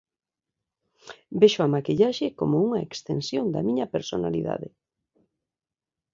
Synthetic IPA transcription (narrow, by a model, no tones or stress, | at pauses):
beʃoamakiʎaʃekomouŋɐekst̪ensjond̪ɐ̰miɲɐpeɾsona̰liða̰ðe